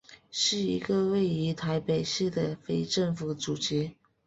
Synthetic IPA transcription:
ʂɻ̩˥˩ḭ˧˥ɡə˧we˥˩ɪi˧˥t̪ʰa˧˥ɪpe˨˩ɪʂɻ̩˥˩d̪ə˩fe˥ɪʈ͡ʂɤ˥˩ŋfu˧˥ʈ͡ʂu˨˩t͡ɕɛ˧˥

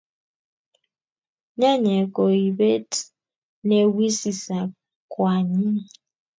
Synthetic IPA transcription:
ɲa˦ɲe˨ko˨i˨be˦t | ne˦wi˦si˨sa˨ | kwa˨ɲi˦

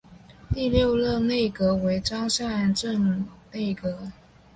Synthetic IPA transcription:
t̪i˥˧ljo˥˧ʊlɤ˥˧ne˥˩ɪkɤ˧˥we˧˥ɪʈ͡ʂɑ˥ŋɕja˥˩a˧˥nʈ͡ʂə˥˩ŋne˥˩ɪkɤ˧˥

